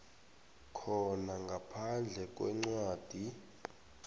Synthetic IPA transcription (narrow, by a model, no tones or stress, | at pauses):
kʰɔnaŋɡʱapʰand͡ɮʱɛk̬ʼwɛ̰ŋ͡ǀwaːd̥ʱi